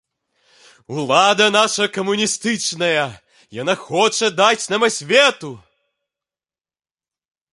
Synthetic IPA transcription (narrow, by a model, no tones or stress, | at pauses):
ulˠad̪ɐnaʂɐkɐmunʲist̪ɨt͡ʂnɐjɐ | janaxɔt͡ʂɐd̪at͡sʲnamɐsʲvʲɛt̪u